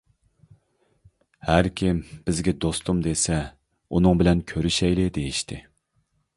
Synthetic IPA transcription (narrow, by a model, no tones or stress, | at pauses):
hæɾkʲʰɪmb̥ɪzɡʲɛd̪ost̪umd̪esɛ | unɨŋbɪlɛnkʲʰøɾyʃɛjlɪd̪ejiʃt̪ʰɪ